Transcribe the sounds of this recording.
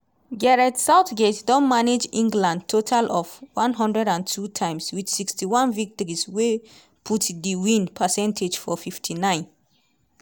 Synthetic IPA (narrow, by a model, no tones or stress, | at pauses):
ɡɛɹɛtsaʊtɡetdɔ̃nmaned͡ʒĩŋɡlãnd̚tʰotʰalʔɔvwãnɦɔ̃ndɹɛdãntʰutʰãɪ̃mswidsikstiwɔ̃nvik̚tɔɹiswe | pʰutdiwĩnpʰəsɛ̃ntʰed͡ʒfɔfiftʰinãɪ̃n